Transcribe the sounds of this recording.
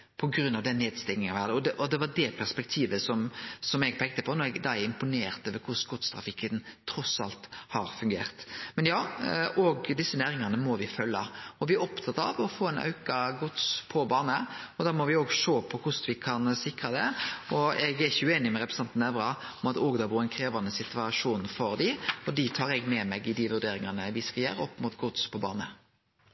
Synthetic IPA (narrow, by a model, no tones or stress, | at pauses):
pʰɔɡɾʉnːɑʋd̪ɛnneːd̪st̪ɪŋnɪŋɑʋæd̪əɔd̪ɛʔɔd̪ɛʋɑd̪ɛpʰæɾspɛk̚t̪ʰiːʋəsɔmsɔmɛɡpʰɛːk̚t̪əpʰɔnɔɾɛɡd̪æɪɪmpʊneːɾt̪əʋɛkʰʊsɡɔt̪st̪ʰɾɑ̰fɪkːənt̪ʰɾɔsːɑ̰lt̪hɑɾfʉŋɡḛːɾt̪mɛnjɑːʔɔɡd̪ɪsːənæːɾɪŋɑnəmɔʋɪfœlːɑ̰ɔʋɪæɾɔpt̪ʰɑt̪ːɑ̰ʋɔfoːɛnʔɑ̰ʉkɑɡʊt̪spʰɔbɑːnəɔd̪ɑːmɔʋɪoːɡʂoːpʰɔhʊsʋɪkʰɑnsɪkɾɑd̪ɛɔɛɡɛɾɪçəʉeːnɪmɛɾɛpɾɛsɛnt̪nɛʋɾɑɔmɑt̪oːɡd̪ɑbuːɾɛnkʰɾeːʋɑnəsɪt̪ʋɑʂuːnfɔɾd̪ɪɔd̪it̪ʰɑːɾɛɡmɛmɛɡɪd̪ɪʋʉɾd̪eːɾɪŋɑnəʋɪskɑljæ̰ːɾɔpːmut̪ɡʊt̪spʰɔbɑ̰ːnə